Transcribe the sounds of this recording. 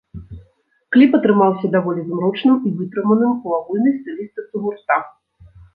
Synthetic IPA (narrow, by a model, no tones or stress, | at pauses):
klʲipɐt̪ɾɨmawsʲɐd̪avɔlʲizmɾɔt͡ʂnɨmivɨt̪ɾɨmɐnɨmuaɣulʲnɐjst̪ɨlʲist̪ɐsumurt̪a